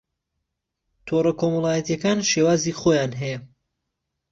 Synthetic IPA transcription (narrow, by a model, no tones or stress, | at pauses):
t̪ʰorɐkʰomɐlˠaːjɐt̪ijɛkaːnʃewaːziːχoːjaːnɦɛjɛ